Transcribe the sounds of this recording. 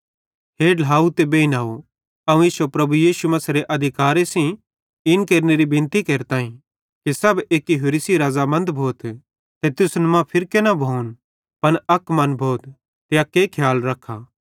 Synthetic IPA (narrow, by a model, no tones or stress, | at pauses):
ɦeːlɦaːut̪ebeːinaːo | ɐũɪːsopɾɐbujiːʃumɐsɾeʔɐd̪ʱɪkaːɾesĩ | ɪnkeːɾneɾibɪ̃nt̪ikeːɾet̪aːĩ | kisɐbeːkiɦʊɾisiɾaːzamɐ̃nd̪bʱoːt̪ | t̪et̪ʊsnmãpʰɪɾkenɐbʱoːun | pɐnɐkmɐnbʱoːt̪ː | ejakeːkʰjaːlɾɐkʰaː